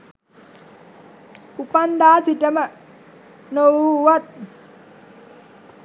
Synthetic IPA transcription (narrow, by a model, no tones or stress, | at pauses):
upand̪aːsiʈəmə | nowuʋat̪̚